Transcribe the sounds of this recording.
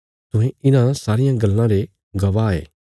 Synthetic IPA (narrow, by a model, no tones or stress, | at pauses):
t̪ʊ̃ɦẽɪnãsaːɾɪjãɡɐlːãɾe | ɡɐʋaḛː